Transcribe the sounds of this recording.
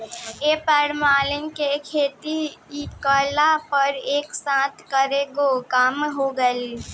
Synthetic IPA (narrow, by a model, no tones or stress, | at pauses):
epəɾmaːlɪŋkekʰeːt̪iikəlapəɾeːksãːt̪ʰkəɾeɡokaːmɦoɡəl